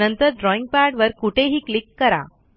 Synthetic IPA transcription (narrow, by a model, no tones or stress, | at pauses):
ənt̪əɾɖɾɔiŋɡ̚paɾɖʋəɾkuʈʰeɦiːklikːəɾa̰